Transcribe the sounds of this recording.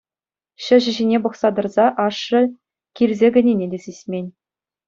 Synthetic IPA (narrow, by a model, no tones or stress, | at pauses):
ɕɘ̆ʑɘ̆ʑinʲebɤ̆χsɑd̪ɤ̆rzɑʔɑʂːɤ̆ | kʲirʲzʲeɡʲɘ̆nʲenʲedʲesʲisʲmʲenʲ